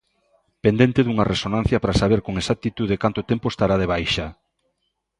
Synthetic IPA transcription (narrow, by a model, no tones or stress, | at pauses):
pend̪ent̪eðuŋɐresonãn̟θjɐpɾasaβeɾkoŋesak̚t̪it̪uð̞ekant̪ot̪empoest̪aɾaðeβ̞ajʃa